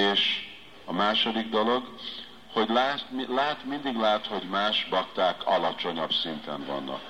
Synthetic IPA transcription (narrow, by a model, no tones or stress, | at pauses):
eːʃ | ɒmaːʃo̞d̪iɡd̪olo̞ɡ | ho̞ɟlɛt̪lɛɦɛt̪mind̪iɡlaːt̪ho̞ɟmaːʃbɒkt̪aːkʰɒlɒt͡ʃo̞ɲɒbsint̪ɛ̰ɱvɒ̰nːɒ̰k